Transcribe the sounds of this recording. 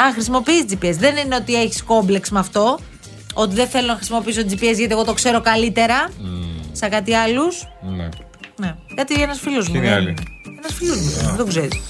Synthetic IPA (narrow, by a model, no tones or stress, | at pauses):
ɐxɾisimopiiːsd͡zipiesðe̞nine̞o̞t̪ie̞çi̥sko̞mble̞ksmeɐft̪o̞ | o̞t̪̬iðeθe̞lonɐxɾisimo̞piis̬ot̪id͡zipiezʝɐt̪ieɣot̪o̞kse̞ɾo̞kɐlit̪e̞ɾɐ | sekɐt̪iɐlusn̰ | nekɐt̪ienɐsfilozmṵlienɐsfilozmud̪oɡzeɾis